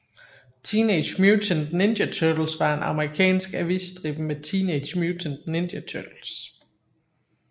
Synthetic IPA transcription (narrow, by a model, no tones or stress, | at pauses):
t͡sʰiːned̥ɕmjut͡sʰənne̝nd̥ɐt͡sʰœd̥l̩sʋɑ̈e̝nʔɑ̈məʁikʰɛ̰ːnsɡ̥æʋisd̥ʁib̥met͡sʰiːneɪd̥mjut͡sʰən̥ne̝nd̥ɐt͡sʰœd̥l̩s